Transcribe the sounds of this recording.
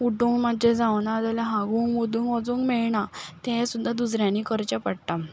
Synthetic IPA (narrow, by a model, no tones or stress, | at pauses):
uʈũŋmad͡ʑẽd͡zawnad͡zaljaɦãɡuːŋɡmud̪ũŋɡʋɔd͡zũːŋɡmɛɭɳat̪ɛ̃sud̪ʱːad̪us̬ɾjãniːkəɾt͡ɕapəɽʈ̪a